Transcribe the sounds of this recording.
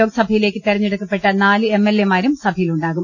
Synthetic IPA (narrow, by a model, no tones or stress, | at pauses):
o̞ːɡɐsɐbʱɐjile̞ːkʲːɨt̪erɐɲːiɽukːɐpːe̞ʈːɐnaːlɨemːelːemaːɾumsɐbʱɐjiluɳɖaːɣum